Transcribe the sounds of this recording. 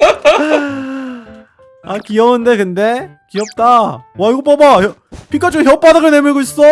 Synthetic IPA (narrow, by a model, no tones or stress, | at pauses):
akiʌɯnde̞kɯnde̞ | kiʌp̚t͈awaiɡop͈ʌbajʌ | pʰik͈at͡ɕ͈oçjʌp͈adaɡɯɭnemɯɭɡois͈ʌ